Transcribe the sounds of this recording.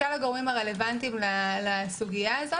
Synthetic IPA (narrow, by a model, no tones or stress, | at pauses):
alaɡoʁimaʁe̞le̞vant̪imlalasuɡijazo